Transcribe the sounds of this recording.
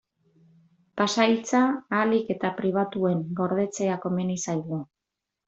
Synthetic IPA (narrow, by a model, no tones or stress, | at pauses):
pasajlt͡saːlike̞t̪apɾiβ̞at̪ue̞ŋɡo̞ɾð̞e̞t͡se̞ako̞me̞nisajɣu